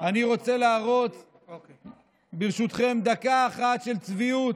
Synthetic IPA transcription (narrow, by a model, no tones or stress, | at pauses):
aniʁo̞t͡se̞laːʁo̞t͡s | biʁʃut̪χe̞md̪akaːχat̪ʃe̞lt͡sviut̪